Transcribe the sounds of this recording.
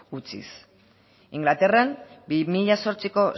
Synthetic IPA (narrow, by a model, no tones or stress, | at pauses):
ut͡sḭs | iŋɡlat̪e̞rembimiʎaso̞ɾt͡siko̞